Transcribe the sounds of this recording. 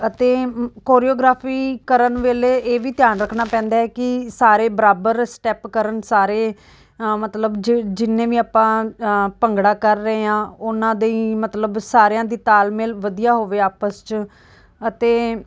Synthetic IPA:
ət̪eːkoːɾiːoːɡɾaːpʰiːkəɾənʋeːleːʔeːʋiːt̪ɪjaːnɾəkʰnaːpɛ̃ːnd̪aːɛːkɪsaːɾeːbəɾaːbəɾsʈɛːpkəɾəɳsaːɾeː | mət̪ləbd͡ʒd͡ʒɪnːẽːʋiːaːpãːpəŋɡɽaːkəɾːəeːãːʊnãːd̪eiːmət̪ləbsaːɾejãːd̪iːt̪aːlmeːlʋəd̪ijaːɦoːʋeːaːpəst͡ʃ | ət̪eː

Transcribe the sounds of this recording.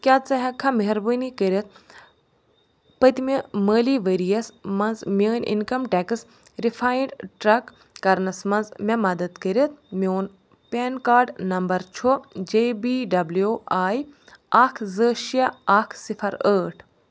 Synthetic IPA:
kʲaːt͡sɐɦɐ̃kʰɐmɐɦɾbənikəɾʲɐt̪̚ | pət̪imiməːliʋəɾijɐsmɐnzmʲəːnḭnkɐmʈɛːkɨs | ɾifʰaːjɳɖʈɾɐk | kːɐɾnɐsmɐnzmɐ̃mɐd̪ɐd̪kəɾɐt̪̚ʰmioːn | pʲeːnkaːɾɖnɐmbɐɾt͡ʃʰod͡ʒeːbiːɖɐbljoaːjaːkʰzəːʃiaaːkʰsifʰɐɾəːʈʰ

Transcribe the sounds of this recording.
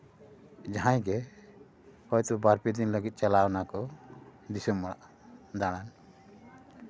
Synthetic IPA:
d͡ʒaɦãjɡɛ | hɔjt̪ɔbaɾpid̪inləɡit̪̚t͡ʃalawnakɔd̪isɔmːɔɽaʔ | d̪aɽ̃an

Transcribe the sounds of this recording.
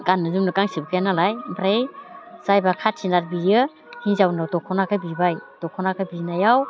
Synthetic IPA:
ɡanːɯzumnɯkaŋsibkʰajanalajbɾajz̥ajbakʰatʰinaɾ̚biɾjɯ | hizawnawtɔkʰɔnakʰabibajtɔkʰɔnakʰabinajaw

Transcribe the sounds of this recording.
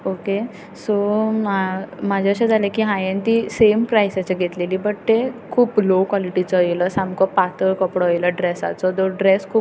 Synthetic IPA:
oke | so | mad͡ʑʱaəɕãd͡zʱalekiːɦãjẽnt̪isempɾajsat͡ɕaɡʱet̪leliːbəʈ̚t̪ekʰuːplokwɔliʈit͡sɔeləsamkɔpat̪əɾkəpɽɔjləɖɾesa̰t͡sɔd̪ɔɖɾeskʰuːp

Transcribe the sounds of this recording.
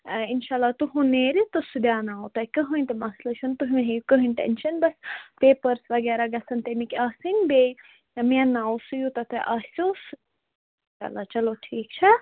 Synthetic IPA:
inʃaːlːaːt̪uɦũneːɾit̪osud̪jaːnaːwt̪ɐkɨɦũint̪emɐslɐt͡ʃʰunt̪uɦmɦejukɐɦiɳʈḛnʃɐnbɐspeːpɐɾsʋɐɡɛːɾaɡɐsɐnt̪emikaːsinbej | menaːwsujut̪ɐt̪ʰeʔaːsjosu | a̰ːlːaːt͡ʃɐloʈʰiːkt͡ʃʰɐ

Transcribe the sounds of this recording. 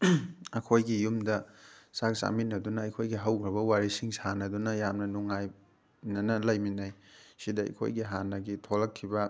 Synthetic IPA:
ɐkʰojɡijumdɐsaksa̰mitnɐdunɐɐjkʰojɡiɦawɡɾɐbɐwaɾisiŋsanɐdunɐjamnɐnuŋaj | nɐnɐlɐjminajsidɐɐ̰kʰo̰jɡiɦanːɐɡitʰolɐkʰːibɐ

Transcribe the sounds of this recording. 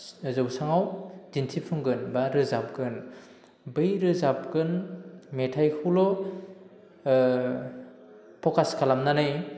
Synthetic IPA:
zɯwsaŋawdintʰipʰɯŋɡɯnbaɾɯzap̚ɡɯn | bɯjɾɯzap̚ɡɯnmetʰajkʰuwlɔ | pʰɔkʰaskʰalamnanɯj

